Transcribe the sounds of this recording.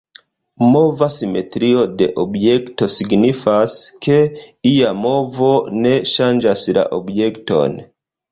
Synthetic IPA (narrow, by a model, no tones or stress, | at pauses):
movasimet̪ɾiodeʔobjɛktosiɡnifaskeijamovoneʃand͡ʒasiɾa̰ʔobjekto̰n